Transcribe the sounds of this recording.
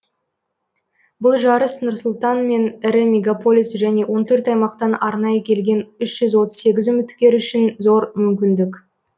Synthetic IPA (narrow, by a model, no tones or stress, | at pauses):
bʊlˠʒɑɾəsnʊɾsʊlˠt̪ɑnme̞nɪɾɪmʲe̞ɡapo̞lʲijsʒæne̞wo̞nt̪ʰɵɾt̪ɑjmɑqt̪ɑnɑɾnɑjəkʲʰe̞lɡʲe̞nʏʃʒ̥ʏzwo̞t̪əzse̞ɡʲɪzʏmɪt̪kʲe̞ɾʏʃɪnzo̞ɾmʏmkʲɪnd̪ɪkʲ